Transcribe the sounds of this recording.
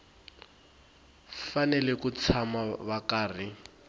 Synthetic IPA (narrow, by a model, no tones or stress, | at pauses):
fanɛlɛkut͡sʰamaβakaːr̤i